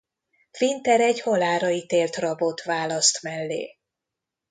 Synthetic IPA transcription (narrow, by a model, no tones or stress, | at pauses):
fint̪ɛɾɛɟhɒlaːɾɒit̪eːlt̪rɒbo̞t̪vaːlɒst̪mɛlːḛː